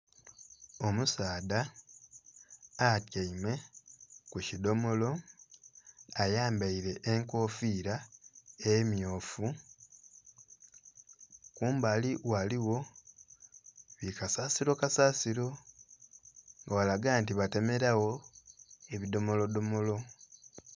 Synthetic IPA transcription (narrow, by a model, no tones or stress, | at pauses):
o̞musaːda | tjaime̞ | kucido̞mo̞lo̞ | ajaːmbaiɾe̞ʔːŋko̞ːfiːɾa | emjo̞ːfu | kuːmbaːliwaliwo̞ | βikasaːsiɾo̞kasaːsiɾo̞ | ŋɡawalaɡaːntiβate̞me̞ɾawo̞ | eβido̞mo̞lo̞do̞mo̞lo̞